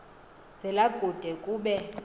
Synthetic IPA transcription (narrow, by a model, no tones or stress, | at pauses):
z̥ɛlaɡ̥ʱud̥ʱɛkʼuːɓɛ